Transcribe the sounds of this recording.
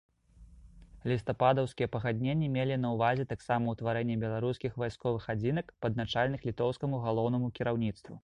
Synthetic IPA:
lʲist̪ɐpad̪ɐwskʲijɛpɐɣad̪̚ʲnʲenʲːɛmʲelʲinɐwvazʲɛt̪aksamɐwt̪vaɾɛnʲːɛbʲɛlˠaɾuskʲixvajskɔvɨxad͡zʲinɐkpɐd̪̚nat͡ʂalʲnɨxlʲit̪ɔwskɐmuɣalˠɔwn̪ɐmukʲiɾawnʲit̪st̪vu

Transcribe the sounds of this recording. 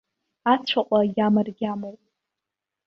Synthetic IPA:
at͡sʷʰaqʷʼajʲamɨrɡʲamowʼ

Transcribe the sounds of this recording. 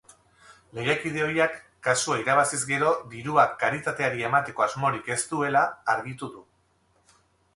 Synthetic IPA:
le̞jakið̞e̞o̞jakː | asuaiɾaβ̞asizɡe̞ɾo̞d̪iɾuakːaɾit̪at̪e̞aɾie̞mat̪e̞ko̞azmo̞ɾike̞st̪ue̞laːɾɣit̪uðu

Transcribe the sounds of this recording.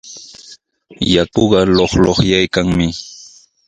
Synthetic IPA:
jakoɢɑloχloχjajkaŋmɪ

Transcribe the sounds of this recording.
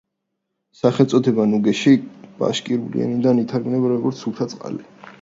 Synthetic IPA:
saχɛlt̪sʼɔt̪ʰɛbanuɡɛʃib̥a̰ʃkʼiɾulḭɛ̰nid̪anit̪ʰaɾɡmnɛbaɾɔɡɔɾt̪sʰupt̪ʰat̪sʼqʼa̰lɛ

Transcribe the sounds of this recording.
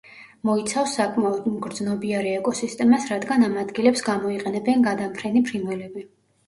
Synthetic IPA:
mɔit̪sʰafsːakʼmaɔd̪mɡɾd̪znɔbiaɾiɛkʼɔsist̪ʼɛmasɾad̪ɡanamad̪ɡilɛpsɡamɔiqʼɛnɛbɛnɡad̪ampʰɾɛnipʰɾimvɛlɛbi

